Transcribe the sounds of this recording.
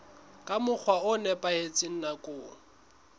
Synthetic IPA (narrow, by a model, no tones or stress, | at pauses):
kʼamʊk͡xʰwaʊnɛpʼahet͡sʼɪn̩nakʼʊː